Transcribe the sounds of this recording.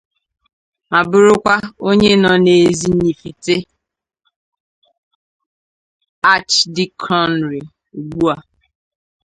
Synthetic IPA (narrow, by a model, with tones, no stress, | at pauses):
ma˨bʊ˦ɾʊ˦kʷa˦o˦ɲe˦nɔ˨ne˨zi˨ɲi˨fi˨te˦ | a˦t͡ʃdi˦kʰɔ˦nɾi˨ | u˨ɡ͡bu˦a˨